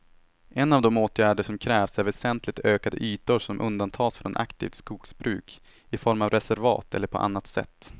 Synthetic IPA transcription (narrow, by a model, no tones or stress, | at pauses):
ʔɛnːavd̪ɔmoːt̪jæːɖəʂɔmkʰɾɛːvsæɾvɛsɛnt̪ʰlɪɡ̚t̪ʰøːkad̪ə̰ʔyːt̪ʊʂɔmʔɵ̰nd̪ant̪ʰɑːsfɾɔnʔa̰kt̪ʰḭːft̪skuːksbɾʉ̟ːk | ɪfɔɾmavɾɛsæɾvɑ̰ːt̪ɛ̰lːəɾpʰɔ̰ʔa̰nːat̪sɛ̰t̪ː